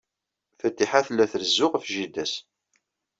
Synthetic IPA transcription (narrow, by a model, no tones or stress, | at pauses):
θæt̪ːiħaθlːæθɾzːʊʁfʒid̪æs